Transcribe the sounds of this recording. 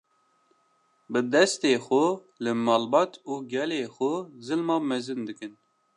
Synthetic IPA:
bɨd̪ɛst̪eːxʊ | lɨmɑːlbɑt̪ʰuːɡɛleːxʊzɨlmɑːmɛzɨnd̪ɨkɨn

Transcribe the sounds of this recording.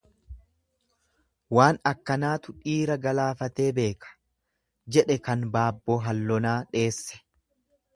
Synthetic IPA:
waːnɐkːɐnaːt̪ʊᶑiːɾɐɡɐlaːfɐt̪e̞ːbe̞ːkɐ̥ | d͡ʒɛᶑɛkɐnbaːbːoːɦɐlːɔnaːᶑe̞ːsːɛ̥

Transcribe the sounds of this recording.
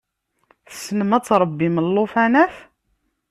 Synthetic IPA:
θəsːənəmæt͡sːɾˤəbːiməlːofænæθ

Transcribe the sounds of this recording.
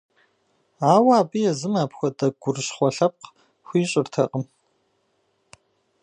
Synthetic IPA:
aːwaːbɨjɛzɨmaːpxʷɔdɐɡ̥ʷʊrɕχʷɔɬɐp̚q | xʷiːɕʼɪrtʰɐqʼəm

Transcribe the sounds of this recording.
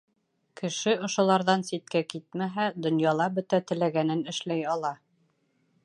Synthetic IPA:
kɘ̆ʃɘŏʃŏlˠɑɾðɑnsit̪̚kækit̪̚mæɦæd̪ŏnjɑlˠɑbɵ̆t̪æt̪ɘ̆læɡænɘnɘ̆ʃlæjɑlˠɑ

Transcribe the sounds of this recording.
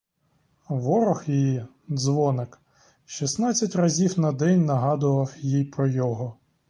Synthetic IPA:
ʋɔɾɔxjiji | zʋɔnɪk | ʃisnɑt͡sʲːɐtʲrɐzʲiwnɐd̪ɛnʲnɐɦɑd̪ʊʋɐwjijpɾɔjɔɦɔ

